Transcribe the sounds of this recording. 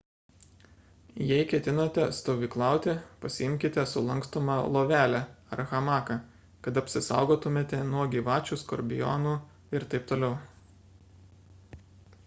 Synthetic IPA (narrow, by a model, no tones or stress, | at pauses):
jɛɪkʲɛt̪ʲɪnot̪ʲɛst̪oːʋʲiːklˠɑˑʊt̪ʲɪpɐsʲɪɪmʲkʲɪt̪ʲɛsʊlˠɐŋkst̪omɑlˠoːʋʲæːlʲæɾɐxɐmɑːkɐ | kɐt̪ɐpʲsʲɪsɑ̰ˑʊɡoːt̪ʊmʲeːt̪ʲɛnuɔɡʲiːʋɑːt͡ʃʲuːskɔ̰ɾʲbʲɪjɔ̰nuː | ɪɾt̪ɐɪp̚t̪oːlʲɛʊ